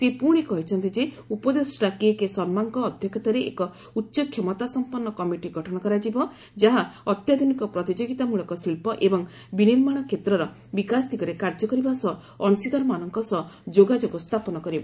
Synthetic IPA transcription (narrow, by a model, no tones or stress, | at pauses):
sepuɽ̃ikɔɦit͡ʃʰɔnt̪id͡ʒe | upɔd̪esʈakiekesɔnmaŋkɔːd̪ʱjɔkʰɔt̪aɾeʔḛkɔ | utːʃɔkʰjemɔt̪asɔmpɔnːɔkɔmiʈiɡʱɔʈʰɔɽ̃ɔkɔɾad͡ʒibɔ | d͡ʒaɦaɔt̪jad̪ʱunikɔpɾɔt̪id͡ʒoɡit̪amuɭɔkɔsilpɔʔebɔŋ | biniɾmaɽ̃ɔkʰet̪ɾɔɾɔ | bikast̪ʰikɔɾekaɾd͡ʒɔkɔɾibasɔ | ɔnusid̪ɔɾɔmanɔŋkɔsɔd͡ʒoɡad͡ʒoɡɔst̪ʰapɔnɔkɔɾibɔ